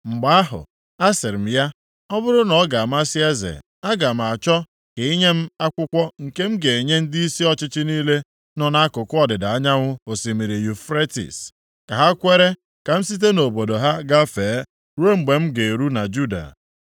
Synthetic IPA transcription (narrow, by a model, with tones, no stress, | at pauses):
ŋ͡m̩˨ɡ͡ba˦a˦ɦʊ̰˨ | a˦sɪ˨ɾm̩˦ja˦ | ɔ˦bʊ˦ɾʊ˦nɔ˨ɡa˨m̩˦a˦si˦e˦zḛ˨ | a˦ɡa˨m̩˨a˨t͡ʃɔ˦ | ke˨i˦ɲe˦m̩˦a˦kʷʊ˦kʷɔ˦ŋ̩˨ke˦m̩˦ɡe˨e˨ɲe˦n̩˦di˦si˦ɔ˦t͡ʃɪ˦t͡ʃɪ˦niː˦le˦ | nɔ˨na˦a˦kʊ˨kʊ˦ɔ˨dɪ˨da˨a˦ɲa˦ŋʷʊ˦o˨si˨mi˨ɾi˨ju˨fɾe˦tḭ˨s | ka˨ɦa˦kʷe˦ɾe˦ | ka˨m̩˦si˦t̬e˦no˨bo˨do˨ɦa˦ɡa˦feː˨˦ | ɾwe˦m̩˨ɡ͡be˨m̩˦ɡe˨ɾu˦na˨d͡ʒu˦da̰˨